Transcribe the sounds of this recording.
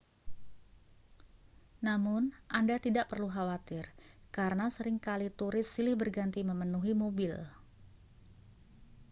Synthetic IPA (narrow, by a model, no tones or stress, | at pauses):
namʊnʔandat̪idaʔpərluɦawat̪ɪrkaɾənasəɾɪŋkalit̪uɾɪsːilɪhbərɡant̪iməmənuɦimobɪl